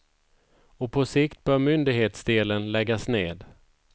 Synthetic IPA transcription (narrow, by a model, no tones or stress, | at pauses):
ɔpʰɔsɪkt̪̚bœːɾmʏnd̪ɪɡheːt̪sd̪eːlənlɛɡːasneːd̪